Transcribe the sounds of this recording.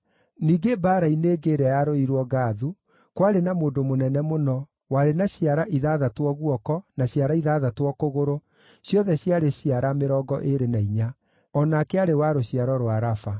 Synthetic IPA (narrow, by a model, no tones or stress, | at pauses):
niːɡebaːɾaineːɡeːɾɛjaɾoiɾwɔɣaːðu | kwaɾenamoːndomonɛnɛmonɔ | waɾenaɕjaɾaʔiðaðatwɔɣuɔkɔnaɕjaɾaiðaðatwɔkoɣoɾo | sjɔðɛɕjaɾeɕiaɾameɾɔɡɔʔeɾenaiɲa | ɔnakɛaɾewaɾoɕiaɾɔɾwaɾafa